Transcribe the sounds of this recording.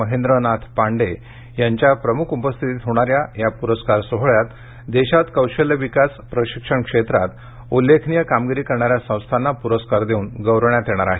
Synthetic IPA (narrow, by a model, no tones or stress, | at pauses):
əɦend̪ɾənat̪ʰpaɳɖe | jaɲt͡ɕjapɾəmukʰupəst̪ʰit̪it̪ɦoɽ̃aɾjajapuɾəskaɾsoɦɭjat̪ | d̪eɕat̪kəwɕəljəʋikaspɾəɕikʂəɳkʂet̪ɾat̪ | ulːekʰnijəkamɡiɾiːkəɾɳaɾjasə̃w̃st̪ʰanːapuɾəskaɾd̪euːnɡəwɾəɳjat̪eɽ̃aɾaɦe